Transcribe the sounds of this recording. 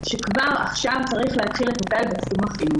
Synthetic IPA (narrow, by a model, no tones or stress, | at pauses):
ʃekvaʁa̰χʃavt͡saʁiχleɦatχiletmotajbat͡sumaχ